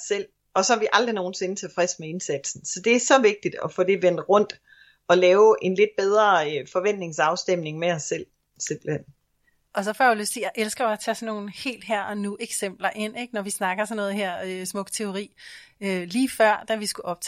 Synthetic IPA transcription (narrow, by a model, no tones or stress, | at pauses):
sel̰ | ɒ̽sɒhæʋiʔɑ̈ld̥ʁino̝ːn̩se̝nət͡sʰe̝fʁɛsmee̝nsæd̥sn̩sɒ̽d̥e̝æɐsɒ̽ʋe̝ɡ̥̚d̥id̥ɒ̽fod̥e̝ʋen̰d̥ʁɔ̽n̰d̥ | ɒ̽lɛːʊʔe̝nle̝d̥̚b̥eð̞ˠʁɐfɒ̽ʋen̰d̥ne̝ŋsɑ̈ʊsd̥em̰ne̝ŋmeɒ̽sːel̰ | se̝mb̥l̩hen̰ | ʔɒ̽sɒ̽fɒːjaløst͡sʰejɑ̈ʔelsɡ̥ɐjɒæt͡sʰɛsɒnːo̝ːn̩he̝̰ːld̥ɦæɐ̰ɒnuʔeɡ̥sem̰b̥lɐʔe̝n̰eɡ̥nɒʋisnɑ̈ɡ̥ɐsɒnːɔ̽ːð̩ˠɦæɐ̰øsmɔ̽ɡ̥t͡sʰe̝o̝ʁḭːøliːfɶɐ̰d̥æʋisɡ̥uʔɒ̽b̥̚t͡sʰ